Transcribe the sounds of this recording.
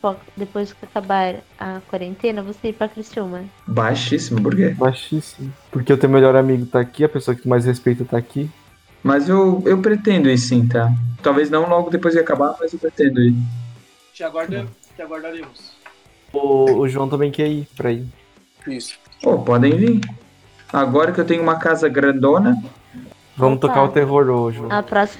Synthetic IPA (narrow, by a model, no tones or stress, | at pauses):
pɔkd̪epojzd͡ʒɪkɪakabaɾ | ɐkwaɾẽnt̪ẽnɐvoseiɾpɾɐkɾist͡ʃũmɐbajʃisimʊpoɾkebajʃisimʊpoɾkeewt̪ẽjʊ̃meʎɔɾamiɡʊt̪aːkiɐpesoɐkɪmajshespejt̪ɐt̪aːki | mɐzewewpɾet̪ẽnd̪ʊisĩt̪at̪awveznɐ̃w̃lɔɡʊd̪epojzd͡ʒɪakabaɾmɐzewpɾet̪ẽnd̪ʊi | t͡ʃɪaɡwaɾe | t͡ʃaɡwaɾd̪aɾemʊs | ʊːʒuɐ̃w̃t̪̬ɐ̃mbẽj̃kɛipɾai | isʊ̥ | opɔd̪ẽj̃vĩ | aɡɔɾɐkɪewt̪ẽɲʊũmɐkazɐɡɾɐ̃nd̪õnɐ | vɐ̃mʊt̪okaɾʊt̪eɦoɾoʒuɐ̃pɾɔs